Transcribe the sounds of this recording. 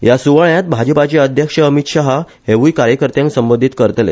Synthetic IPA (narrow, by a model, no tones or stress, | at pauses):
jasuʋaɭjat̪̚bʱad͡ʑəpat͡ɕeəd̪ʱjəkʂəəmit̪ɕaɦa | heʋujkaɾjəkəɾt̪jãŋksəmbənd̪ʱit̪kəɾt̪lḛ